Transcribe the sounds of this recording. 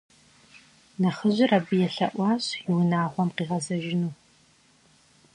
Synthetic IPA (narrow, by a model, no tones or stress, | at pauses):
nɐχəʑʷɪrɐbɨjɛɬɐ̰ʔʷɑːɕjɪwnaːʁʷɔmqiːʁɐzɐʒɪnuː